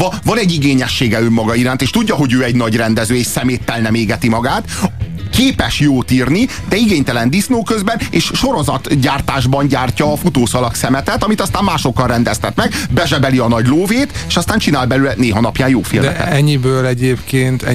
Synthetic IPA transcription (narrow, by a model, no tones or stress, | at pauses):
ɒvɒnɛɟːiɡeːɲɛʃːeːɡɛømːɒɡɒiɾaːnt̪eːʃt̪uɟːɒɦo̞ɟøːɛɟnɒɟrɛnd̪ɛzøːeːʃsɛmeːt̪ːɛlnɛmeːɡɛt̪imɒɡaːt̪keːpɛʃjoːt̪iːrni | d̪ɛiɡeːɲt̪ɛlɛnd̪isnoːkøzbɛneːʃʃo̞ɾo̞zɒt̪ɟaːrt̪aːʒbɒnɟaːrcɒːfut̪oːsɒlɒksɛmɛt̪ɛt̪ɒmit̪ɒst̪aːmmaːʃo̞kːɒrrɛnd̪ɛst̪ɛt̪mɛɡbɛʒɛbɛliɒnɒɟloːveːt̪eːʃɒst̪aːnɲt͡ʃinaːlbɛlylɛneːɦɒnɒpjaːjjoːfilɛɛ̰ɛɲːibøːlɛɟeːpkeːnt̪ɛ